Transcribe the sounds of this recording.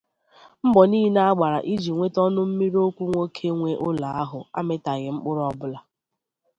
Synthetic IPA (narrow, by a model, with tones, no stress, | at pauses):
m̩˦ɡ͡bɔ˨niː˦ɦi˦na˦a˦ɡ͡ba˨ɾa˨ʔi˦d͡ʒi˨ŋʷe˦tɔ˦nʊ˦m̩˦mi˦ɾo˦kʷu˦ŋʷo˦kʰe˦ŋʷe˦ʔʊ˦la˨a˦ɦʊ˨a̰˦mɪ˦ta˨ɣɪ˨ŋ͡m̩˦k͡pʊ˦ɾʊ˦ɔ˦bʊ˦la˨